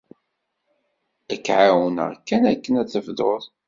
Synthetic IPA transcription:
ækːʕawənə̰ʁkːænækːənæθəfðoðˤ

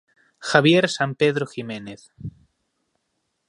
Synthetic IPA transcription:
xaβjeɾsampeðɾoximẽneθ

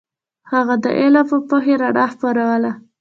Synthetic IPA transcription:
haɣad̪ə̰ʔelapəpoɦeɾaɽaxpaɾawəla

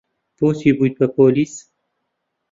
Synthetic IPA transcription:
posibujt̪̚pəpolis

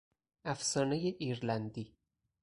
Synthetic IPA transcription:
ʔæfsɒːnejeʔiːɾlænd̪iː

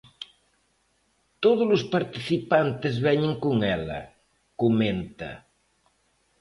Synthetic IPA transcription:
t̪oð̞ʊzlʊspaɾt̪iθipant̪ezβɛɲeŋkuŋɛlɐ̰ | kumẽnt̪ɐ̰

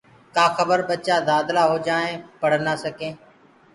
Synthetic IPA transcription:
kaːxəbəɾɓət͡ʃaːd̪aːd̪laːɦoːd͡ʒaːẽːpəɽ̤naːsəkẽː

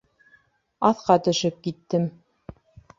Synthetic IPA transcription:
ɑθqɑt̪ɵ̆ʃɘp̚kit̪ːɘm

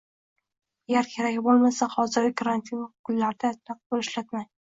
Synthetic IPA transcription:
aɡʲaɾkʲʰe̞ɾakʲbolˠmasahɒzɪɾʲɪkʰaɾanʲt̪ʰinkʰʊlːaɾd̪at̪ʰɾaq̚bolɪʃlat̪maj

